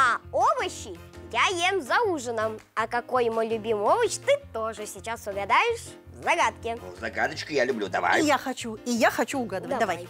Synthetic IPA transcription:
ɐovəɕɪ | jajemzɐuʐɨnəmɐkɐkojmojlʲʊbʲimovəɕt̪ɨt̪oʐɨsʲɪt͡ɕasəɡɐd̪ajɪʂ | vzɐɡat̪kʲɪvzɐɡad̪ət͡ɕkʊjalʲʊblʲud̪ɐva̰jjaxɐt͡ɕuijaxɐt͡ɕuʊɡad̪əvətd̪ɐvaj

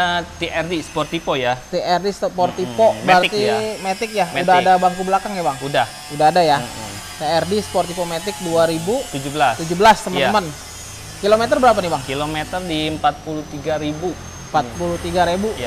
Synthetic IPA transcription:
ət̪iɛrdisə̥pɔrt̪ipojat̪eʔɛrdispɔrt̪ipobəərkt̪imet̪ɪk̚jameudaɦadabaŋkubəlakaŋjabaŋudah | udaɦadaja | t̪eɛrdisə̥pɔrt̪ipomet̪ɪk̚duaɾibut̪ud͡ʒubəlast̪ud͡ʒubəlast̪əməəmən | kilomet̪ərbəɾap̬anibaŋkilomet̪ərdiəmpat̪̚puluht̪iɡaɾibu | əmpat̪̚puluht̪iɡaɾebu

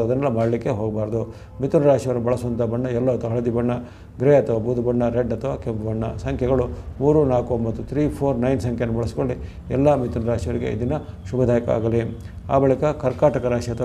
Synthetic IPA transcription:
ɐd̪ɐnːɐlːɐmaːɽɐlikːe̞ɦoːɡɐbaːɾɐd̪u | mit̪unɐɾaːʂijʋɐɾɐnubɐɭɐsuʋɐnt̪ɐbɐɳːɐɛlːɐɐt̪ɐɦɐɭɐd̪ibɐɳːɐ | ɡɾeɐt̪ʰɐʋaːbuːd̪ubɐɳːɐɾeɖːɐt̪ʰɐʋaːkempbɐɳːɐsɐŋkʰjɛɡɐɭumuːɾunaːkumbɐt̪ːut̪ʰɾiːpʰoːɾnɐjnsɐŋkʰjenːubɐɭɐsi̥koɭːi | ɛ̰lːɐmit̪unɐɾaːʂiʋɐɾiɡḛḭd̪inɐ | ʃubɐd̪ʱaːjɐkɐa̰ːɡɐli | a̰ːbɐɭikɐkɐɾkaːʈɐkɐɾaːʂiɐt̪ʰ

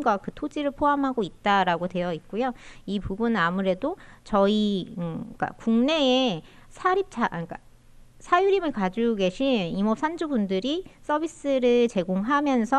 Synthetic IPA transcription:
ɡwakɯtʰod͡ʑiɾɯɭpʰoɦamɦaɡoit̚t͈aɾaɡode̞jʌit̚k͈ujoipubunɯnamuɾe̞dot͡ɕʌi | k͈a̰kuŋne̞e | sʰaɾip̚t͡ɕʰak͈a̰ | sʰajuɾimɯɭkad͡ʑuɡe̞ɕʰinimʌp̚sʰand͡ʑubundɯɾis͈ʌbʱis͈ɯɾɯt͡ɕe̞ɡoŋɦamjʌnsʰʌ

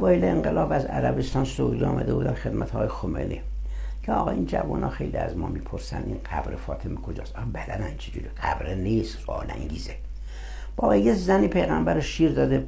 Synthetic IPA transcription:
vɒːeleeŋɡelɒːbæzæ̰ɾæbest̪ɒːnsoud̪iɒ̰ːmʔæd̪ebuːd̪ænxed̪mʔæt̪ʰːjexomelʔi | kʰeɒːɣɒind͡ʒævunɒ̰ːxe̞̰jlḭæzmɒ̰ːmiːpʰoɾsænd̪inqæbɾefɒːt̪ʰemekʰod͡ʒɒːsɒbæd̪ænænt͡ʃʰed͡ʒuɾiqæbɾeniːst̪sɒ̰ːlæ̰ŋɡiːze | b̥ɒːejezæniːpʰejɣæmbæɾoʃiːɾd̪ɒːd̪e

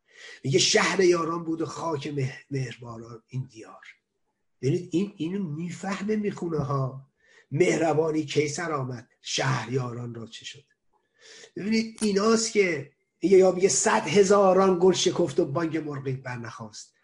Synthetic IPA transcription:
miɟeʃæhɾejɒːɾɒnbuːd̪oxɒːcʰememehɾbɒːnɒːnind̪ijɒːɾ | bebiniːd̪ininmiːfæhmemiːxuneɦɒː | me̞hɾæbɒːniːcʰe̞jsæɾɒːmæd̪̥ʃæːhɾjɒːɾɒnrɒːt͡ʃʰe̥ʃod̪̥ | b̥ebiːniːd̪iːnɒːst̪cʲʰe̞ | miɟejɒːmiɟesæd̪ɦe̞zɒːɾɒnɡolʃe̞kʰoft̪obɒŋɟemoɾɡiːbæɾnæxɒːst̪

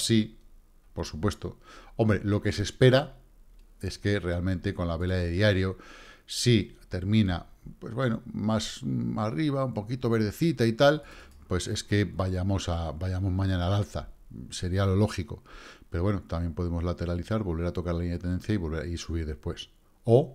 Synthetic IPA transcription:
si | po̞ɾsupwe̞st̪o̞o̞mbɾe̞lo̞ke̞se̞spe̞ɾa | e̞ske̞re̞almẽnt̪e̞ko̞nlaβe̞laðeðiaɾjo̞sit̪e̞ɾmĩna̰pwe̞zβwe̞nomasariβ̞aumpo̞kit̪o̞βe̞ɾð̞e̞θit̪ait̪alpwe̞se̞ske̞baʝamo̞sabajamo̞zmãɲãnaːlalθa̰ | se̞ɾialo̞lo̞xiko̞̰peɾo̞βwe̞not̪amje̞mpo̞ð̞e̞mo̞zlat̪e̞ɾaliθaɾβo̞lβeɾat̪o̞kaɾlaliɲaet̪ene̞nθjaiβo̞lβea̰isuβ̞iɾðespwe̞s | o

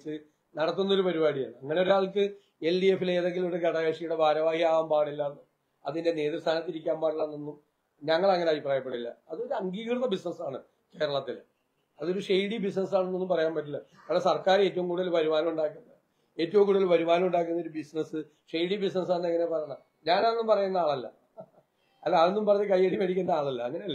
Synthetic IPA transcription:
t͡ɕːɨ | nɐɽɐt̪ːunːɐo̞ɾupɐɾibaːɽija̰ːɳɨɐŋːɐneo̞ɾaːɭkɨ | e̞ldijefile̞ːðe̞ŋɡiluɽeɡɐɽɐjɐʂijuɽe̞bʱaːɾɐʋaːhijaːʋaːmpaːɽilːɐnːu | ɐðinde̞ne̞ːðirst̪ʰaːnɐt̪̬ːiɾik̬ʲːaːmpaːɾlɐnonːum | ɲɐŋːɐɭɐŋːɐneɐbipraːjɐp̬ːeʈːilːɐ̰ɐðoɾuɐŋɡiːɣrt̪ːɐbisnɐsaːɳɨ | ke̞ːɾɐɭɐt̪ːil | ɐðo̞ɾuʂejɽibis̬nɐs̬aːɳenːo̞nːumpɐrɐjaːmpɐt̬ːulːɐ | ɐʋlɐsɐrkaːɾeːtːɐʋumkuːɽɐlbɐɾumaːnɐmuɳɖaːkːunːɐ | e̞ːtːɐʋumkuːɽuɐlbɐɾumaːnmuɳɖaːk̬ːunːɐoɾubisnɐsɨ | ʂejɽibisnɐs̬aːɳːɐŋːɐnepɐrɐjɐɳɐm | ɲaːnaːenːumpɐrɐjunːɐaːɭɐlːɐ̰ | ɐlːaːðenːumpɐrɐɲːɐkɐjːɐɽimɐɽikʲːunːɐaːɭɐlːɐɐŋːɐneɐlːɐ

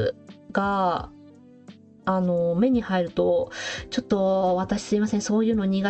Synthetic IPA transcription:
ɡ̥a | no̞me̞ɲ̟ihaiɾɯ̟t̪o̞t͡ɕo̞t̪ːo̞βat̪aɕi̥sɨimasẽ̞so̞ːjɯ̟ːno̞ɲ̟iɡa

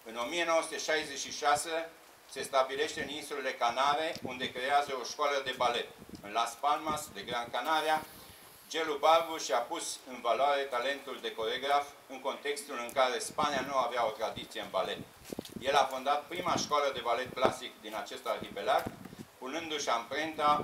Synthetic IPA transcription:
ɨno̞mie̞no̞osut̪eʃajzet͡ʃʃiʃase | se̞st̪abile̞ʃt̪eɨninsulele̞kanaɾe̞und̪e̞kɾe̞azəo̞ʃkoaləd̪e̞bale̞t̪ɨnlaspalmasd̪eɡɾankanaɾia | d͡ʒe̞lubarbuʃiapusɨnvalwaɾe̞t̪ale̞nt̪uld̪e̞ko̞ɾeɡɾaf | ɨŋko̞nt̪e̞kst̪ulɨŋkaɾe̞spanianuaveao̞t̪ɾad̪it̪sieɨnbale̞t̪̚ | je̞lafond̪at̪̚pɾimaʃkoaləd̪e̞bale̞t̪̚klasikd̪inat͡ʃe̞st̪arkipe̞lat̪punɨnd̪uʃampɾe̞nt̪a

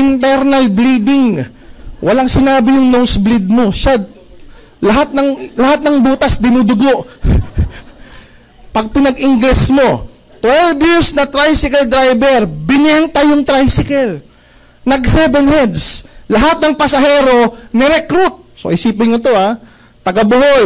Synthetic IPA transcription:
ʔɪnt̪ɛɾnɐlbliːd̪ɪŋ | wʔɐlaŋsɪnaːbɪjʊŋnowsblɪd̪̚mo̞ʃa | lɐɦat̪̚nɐŋlɐhat̪̚nɐŋbuːt̪ɐsd̪ɪnuːd̪ʊɡo̞ʔ | pɐɡ̚pɪnɐɡɪŋɡlɛsmo̞ | t̪wɛlvjɪɾsnɐt̪ɾajsɪkɐld̪ɾajbɛɾbɪnɛnt̪ɐjʊŋt̪ɾajsɪkɛl | nɐɡsɛbɛnhɛd̪slɐɦat̪̚nɐŋpɐsɐɦɛːɾo̞nɛɾɛkɾut̪̚so̰ʔɪsiːpɪnŋot̪o̞ʔa | t̪ɐɡabʊhoj

